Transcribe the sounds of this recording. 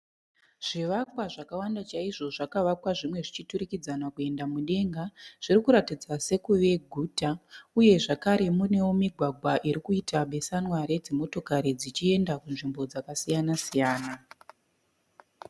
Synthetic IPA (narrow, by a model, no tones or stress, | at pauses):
ʐ̥iʋakwaʐakawandat͡ʃaiʐo̞ʐakaʋakwaʐimwe̞ʐit͡ʃiturikid͡zanakue̞ndamuɗe̞ŋɡaʐ̥iɾikuɾatid͡zase̞kuʋe̞ɡʱuːtauje̞ʐakaɾe̞mune̞womiɡʱwaɡʱwaʔiɾikuitaɓe̞sanwaɾe̞d͡zemo̞to̞kaɾid͡zit͡ʃie̞ndakunʐimbo̞d͡zakasijanasijaːna